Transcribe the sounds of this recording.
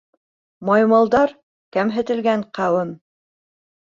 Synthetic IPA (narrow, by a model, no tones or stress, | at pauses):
mɑjmɑlˠd̪ɑɾ | kæmɦɘ̆t̪ɘ̆lɡæɴqæwɘm